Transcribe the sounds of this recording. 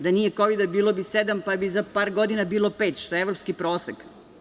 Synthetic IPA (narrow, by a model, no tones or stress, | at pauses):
d̪anijekoʋid̪abiːlobised̪ampabizapaːɾɡod̪inabiːlˠo̞peːt̪ʃt̪ojeeʋvɾopskipɾoːseɡ